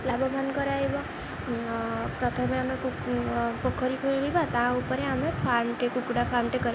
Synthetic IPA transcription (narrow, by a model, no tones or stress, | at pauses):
labɔbʱankɔɾajbɔ | pɾɔt̪ʰɔmeamekupɔkʰːɔɾikʰoilibat̪ãupɔɾeamepʰaɾmʈekukuɽapʰaɾmʈekɔɾib